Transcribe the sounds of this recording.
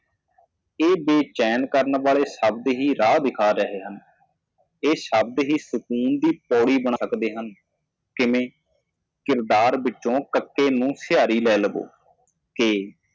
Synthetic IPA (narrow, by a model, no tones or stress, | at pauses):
eːbeːt͡ʃɛːnkəɾənʋaːleːʃəbd̪ɦiːɾaːd̪ɪkʰaːɾəɦeːɦən | eːʃəb̚d̪ɦiːsʊkuːnd̪iːpɔːɽiːbəɳaəkd̪eːɦən | kɪʋẽː | kɪɾd̪aːɾbɪt͡ʃːõːkəkːeːnũːsɪjaːɾiːlɛːləbo̰ː | keː